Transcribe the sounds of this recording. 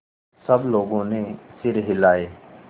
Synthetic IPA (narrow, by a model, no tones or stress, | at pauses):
sɐbloːɡõnesɪɾɦɪlaːeː